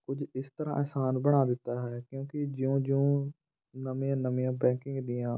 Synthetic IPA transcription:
kʊd͡ʒɪst̪əɾã̰ːʔɛːsaːnbəɽ̃aːd̪ɪt̪ːaːɦɛːkjõːkɪd͡ʒɪõːd͡ʒɪõː | nəmĩjãːnəmijãːbɛ̃ːkɪ̃ŋɡd̪ɪjãː

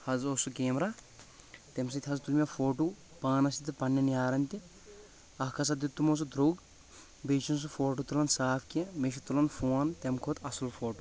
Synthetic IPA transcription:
hɐzosuɡeːmɾa | t̪ems̬it̪ʲɦɐzt̪ulmʲɐfoːʈu | paːnɐsit̪ipɐnːɐnjaːɾɐnʲt̪i | ɐɦkʰɐs̬ɐd̪it̪ːumos̬ud̪ɾoːɡ | beːt͡ʃins̬ufoːʈut̪ulɐnsaːfkʲemeʃit̪ulɐnfoːnt̪emkʰoːt̪ʰɐsulfoːʈu

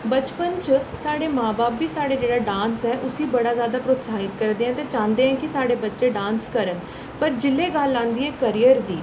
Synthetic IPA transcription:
bət͡ʃpənt͡ʃsaːɽeːmãːbaːpbiːsaːɽeːd͡ʒeːɽaːɖãːnsɦɛːʔʊsiːbəɽaːzjaːd̪aːpɾoːt̪saːɪt̪kəɾd̪eːɦɛ̃ːt̪eːt͡ʃãːnd̪eːɦɛ̃ːkɪsaːɽeːbətːʃeːɖãːnskəɾən | pəɾd͡ʒɪlːeːɡaːlːãːnd̪iːɛːkəɾijəɾd̪iː

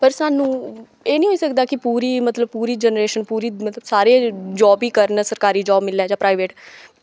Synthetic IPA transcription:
pəɾsaːnũː | eːnĩːɦoːiːsəkd̪aːkɪpuːɾiːmət̪ləb̚puːɾiːd͡ʒɛnɾeːʃənpuːɾiːmət̪ləbsaːɾed͡ʒɔːbiːkəɾnsəɾkaːɾiːd͡ʒɔːbmɪlːaːd͡ʒaːpɾaːɪʋeːʈ

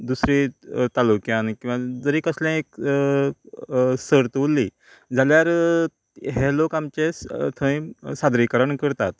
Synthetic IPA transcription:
d̪usɾit̪alukjãnkĩw̃ʋad͡zəɾikəsljãek̚ | səɾt̪ulːi | d͡zʱaljaɾ | ɦɛlokamt͡ɕet̪ʰə̃ĩsad̪ɾikəɾəɳkəɾt̪at̪

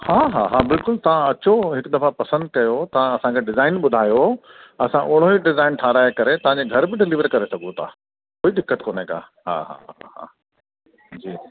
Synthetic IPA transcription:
haːɦa̰ːɦaːbɪlkʊlt̪ɐʋ̤ãɐt͡ɕoɦɪkd̪ɐfapɐsə̃nd̪̚kɐjot̪ɐʋãɐsãkʰeɖɪzaːɪnɓʊd̪ʱaːjoɐsãʔʊɽ̤̃oɦiɖɪzaːɪnʈʰaːɾaːɦekɐɾet̪ɐʋ̤ãɲd͡ʑeɡʱɐɾbɪɖɪlɪʋəɾkɐɾesɐɡʱũt̪ʰa̰ː | oːid̪ɪkːət̪koːneka̰ː | ɦa̰ːɦa̰ɦɦɦa̰ː | d͡ʑiː

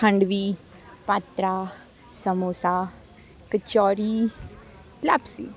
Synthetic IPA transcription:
kʰə̃ɳɖʋiː | pat̪ɾaː | səmoːsaː | kət͡ʃɔːɾiː | lapsḭː

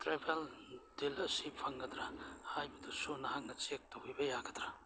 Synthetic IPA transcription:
tɾebald̥ilɐsipʰaŋɡɐt̪ɾahajbɐd̪usunɐɦaŋnɐt͡ʃek̚tɐujbɐjaɡɐt̪ɾa

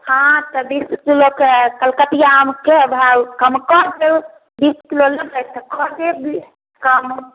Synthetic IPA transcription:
hãt̪ɔbiskilokekəlkət̪ijamkebʱawkəmkɔɾd̪el | biskiloledət̪əkɔɾd̪ebi | kəm

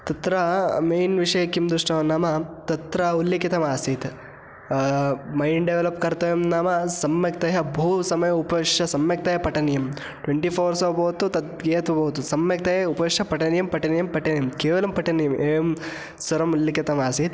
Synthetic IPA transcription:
t̪ɐt̪ɾɐmeːjnʋiʂɐjɐkːimd̪ɾuʂʈɐʋɐnaːmɐt̪ɐt̪ɾɐulːɐkit̪ɐmaːsit̪ | mɐjɳɖɖeʋelɐpkɐɾt̪ɐjɐmnaːmɐsɐmːjɐk̚t̪ɐjɐbʱuːsɐmɐjɐupɐʋiʂɐsɐmjɐk̚t̪ɐjɐpɐʈɐnɐjɐm | ʈʋeɳʈipʰoːɾsɐːbʱɐʋt̪ut̪ɐt̪ɡeːɐt̪ubʱɐʋɐt̪usɐmːjɐk̚t̪ɐjɐupɐʋiʂɐpɐʈɐnjɐmpɐʈɐnɐjɐmpɐʈɐnɐjɐmkeːʋɐlɐmpɐʈɐnɐjɐmʔeːjm | sɐɾɐmulːɐkit̪ɐmaːsit̪

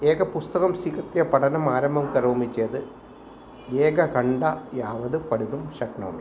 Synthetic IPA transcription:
eːɡɐpust̪ɐɣɐmsiːkrt̪ːijɐpɐʈɐnɐmaːɾɐmbʱɐmkɐɾuːmit͡ɕːeːðɨ | eːɡɐkɐɳɖajaːʋɐðɨpɐɽiðumɕɐknoːmi

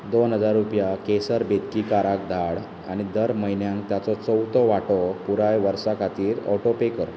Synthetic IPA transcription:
d̪onɦəd͡zaɾːupjakesəɾbed̪kiːkaɾak̚d̪ʱaɽ | a̰ɽ̃id̪əɾməɦinjãŋk̚t̪jat͡sɔt͡səwt̪ɔʋaʈɔpuɾajʋəɾsakʰat̪iːɾɔ̰ʈopekəɾ

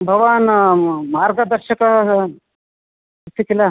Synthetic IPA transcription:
bʱɐʋaːnmaːɾɡɐd̪ɐɾʃɐkɐ | ut̪ʰːikila

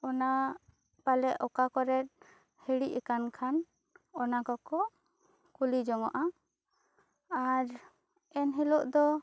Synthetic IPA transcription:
ɔna | palɛʔɔkakɔɾɛt̪̚ | hɛɽiʔɛkankʰan | ɔnakɔkɔʔ | kulid͡ʒɔŋɔʔa | aɾ | ɛnɦɛlɔʔd̪ɔ

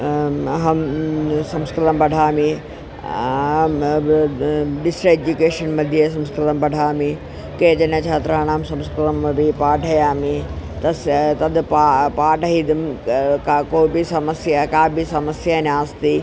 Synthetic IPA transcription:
ɦɐmsɐmskɾɪt̪ɐmbɐɖʱaːmĩ | ɖɪsɾed͡ʑukeːʃɐnmɐd̪ʱjes̬ɐmskɾɪt̪ɐmbɐɖʱaːmĩ | keːd͡ʑɐnẽt͡ʃʰaːt̪ɾɐɐɽ̃aːmsɐ̃mskɾɪt̪ɐmɐbʱipaːʈɐjaːmit̪ɐst̪ɐd̪papaːʈɐɦid̪ɪmkːkoːibisɐmɐsjakaːbisɐmɐsjanaːst̪iː

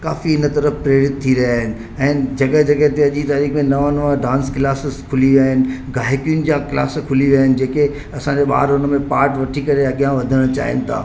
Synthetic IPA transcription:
kaːfiɪnət̪ɐɾəfpɾeːɾɪt̪ʰːiɾɐjaːɦɪnɪ̆ | ɛ̃ːd͡ʑɐɠəd͡ʑɐɠəɦt̪eɐʄit̪aːɾiːkmẽnɐʋãnɐʋãɖãːnsklaːsɪzkʰʊliʋiaːɦɪnɪ̆ɡaːɦɪkijʊnɪ̆d͡ʑaːkɪla̰ːskʰʊliʋiaːɦɪnɪ̆d͡ʑeːke | ɐsãɲd͡ʑeɓa̰ːɾʊnəmẽpaːɾʈʋɐʈʰikɐɾeɐɠijãʋɐd̪ʱəɽ̃t͡ɕa̰ːɦɪ̰nɪ̆t̪ʰa̰ː

